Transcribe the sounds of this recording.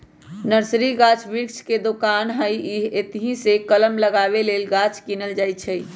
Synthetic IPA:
nəɾsɾiɡat͡ʃʰbiɾkt͡ʃked̪okanɦəjiɦet̪ɦĩsekələmləɡaβelelɡat͡ʃʰkinəld͡ʒajt͡ʃʰəj

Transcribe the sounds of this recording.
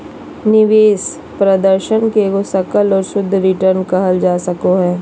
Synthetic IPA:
nɪʋeːs | pɾɐd̪əɾʃənkeɡosɐkəlɔːɾsʊd̪ʱːɾɪʈəɾnkɐɦəld͡ʒaːsɐkoɦɛː

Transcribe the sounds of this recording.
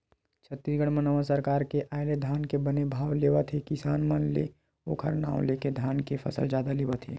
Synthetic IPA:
t͡ʃʰət̪ːisɡəɽ̃mə̃nɐʋasəɾkaːɾkeʔaːɪled̪ʱaːnkebənebʱaːwleːʋat̪ʰekɪsaːnmənlḛ | o̰ːkʰəɾnã̰ːw̃leːked̪ʱaːnkepʰɐ̰sə̰ld͡ʒaːd̪aleːʋat̪ʰḛː

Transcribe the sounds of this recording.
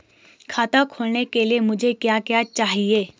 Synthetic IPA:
kʰaːt̪akʰoːlnekeliemʊd͡ʒʱekjakijat͡ʃaːɦieː

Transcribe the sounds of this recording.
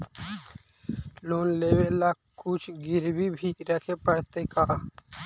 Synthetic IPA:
loːnleːwela | kʊt͡ʃʰɡɪɾbibʱiɾəkʰepəɽt̪ekaː

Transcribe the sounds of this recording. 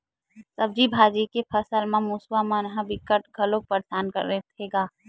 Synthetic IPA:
səb̚d͡ʒibʱaːd͡ʒikepʰəsəlmãmuswamənɦə̃bɪkːəʈɡʱəlok̚pəɾdaːnkə̰ɾet̪ʰeɡaː

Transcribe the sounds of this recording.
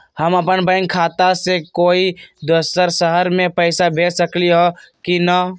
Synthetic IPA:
həməpənbə̃ɪŋkʰat̪asekoːid̪əsəɾsəɦəɾmẽpəɪsabʱeːsəkliɦɔkinə

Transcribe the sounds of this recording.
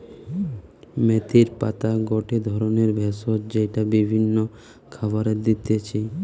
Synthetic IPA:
met̪iɾpa̰t̪aɡɔʈed̪ʱɔɾoneɾbʱɛsotd͡ʑejʈabibʱinːo | kʰabaɾed̪it̪et͡ɕʰi

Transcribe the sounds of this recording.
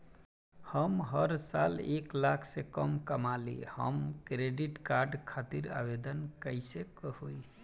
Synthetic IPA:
həmɦəɾsaleklakʰsekəmkəmalḭhə̰mkɾeɖiʈkaɾɖkʰat̪iɾa̰bed̪ənkəjsekəɦoj

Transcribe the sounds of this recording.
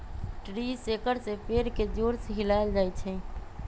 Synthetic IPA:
ʈɾisekəɾsepeɾked͡ʒoɾsɦilajld͡ʒajt͡ʃʰɛ

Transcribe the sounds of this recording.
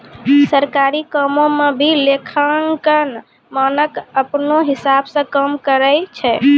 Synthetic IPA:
səɾkaɾikəmomebʱilekʰənkən | mənəkəpnoɦisabsə̃kəmkəɾəjt͡ʃʰɛ

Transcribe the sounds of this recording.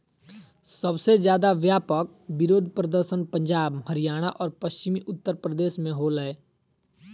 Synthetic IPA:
səbsezjaːd̪aʋjaːpək̚ | bɪɾoːd̪ʱpɾəd̪əɾʃənpə̃ɲd͡ʒaːbɦəɾijaːɽ̃aʔɔːɾpəʃt͡ʃɪmiʔʊt̪ːəɾpɾəd̪eːʃmẽɦoːləeː

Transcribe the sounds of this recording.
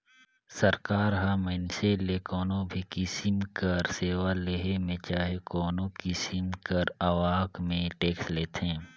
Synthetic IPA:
səɾkaːɾɦamənselekɔːnõbʱikɪsɪmkəɾseːwaleɦemẽt͡ʃaːɦekɔːnõkisɪmkəɾɐʋaːkmẽʈeːksleːt̪ʰẽː

